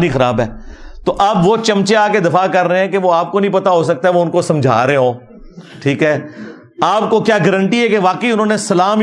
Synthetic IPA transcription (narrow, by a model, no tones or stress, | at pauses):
nixɐɾa̰ːbɦɛːt̪oʔɐbʋoːt͡ʃɐmt͡ʃeaːked̪ɐfakɐɾːəeɦɛ̃keʋoaːp̚konɐɦĩpɐt̪aɦosɐk̚t̪aɦɛʋoʊnkosɐ̃md͡ʒʱa̰ːɾɦeɦõː | ʈʰiːkɦɛː | aːpkokjaːɡɐɾə̃ɳʈiɦɛkeʋaːkəiʊnɦõːnesɐlaːm